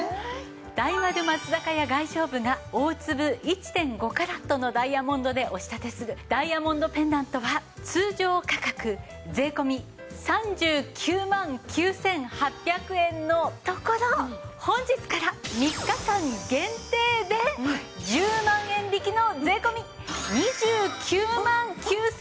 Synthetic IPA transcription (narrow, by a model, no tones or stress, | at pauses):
d̪̥aiβad̪ɯ̟mat͡sɨzakajaɡaiɕo̞ːbɯ̟ŋao̞ːt͡sɨbɯ̟it͡ɕi̥t̪ẽ̞ŋɡo̞kaɾat̪ːo̞no̞d̪aiamõ̞nd̪o̞d̪e̞ʔo̞ɕi̥t̪at̪e̞sɨɾɯ̟d̪̥aiamõ̞nd̪o̞pẽ̞nd̪ãnt̪o̞βat͡sɨːʑo̞ːkakakɯ̟ | d͡ze̞ːko̞mʲi | sãɲ̟d͡ʑɨːkʲʰɨːmãŋkʲɨːsẽ̞ŋhapʲːjakɯ̟ẽ̞nːo̞t̪o̞ko̞ɾohõ̞ɲ̟d͡ʑit͡sɨ̥kaɾamʲikːakãŋɡẽ̞nt̪e̞ːd̪e̞d͡ʑɨːmãɰ̃ẽ̞nɾʲikʲino̞d͡zze̞ːko̞mʲi | ɲid͡ʑɨːkʲʰɨːmãŋkʲɨː